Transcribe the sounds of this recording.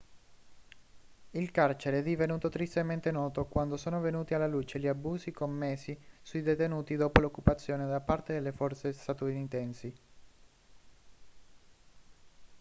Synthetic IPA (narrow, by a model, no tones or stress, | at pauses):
ilkart͡ʃeɾeɛd̪ivenuːt̪ot̪ɾist̪ement̪enɔːt̪okwand̪osɔːnovenuːt̪ialːaluːt͡ʃeʎiabuːsikomːesːisuid̪et̪enuːt̪id̪oːpolokːupat̪sːjoːned̪apart̪ed̪elːefɔrt̪sest̪at̪unit̪ɛnsi